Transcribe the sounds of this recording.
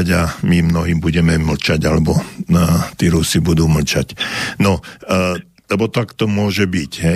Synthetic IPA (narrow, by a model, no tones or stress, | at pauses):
ɟamimnɔɦiːmbuɟɛmɛml̩t͡ʃaɟalɛbɔ | t̪iːɾusibud̪uːml̩t͡ʃa̰cnɔ | lɛbɔt̪akt̪ɔmʊɔʒɛbicɦɛ